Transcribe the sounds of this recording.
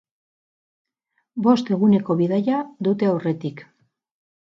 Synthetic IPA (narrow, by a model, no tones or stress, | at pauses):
bo̞st̪e̞ɣune̞ko̞βiðaʎaðut̪e̞awre̞t̪ik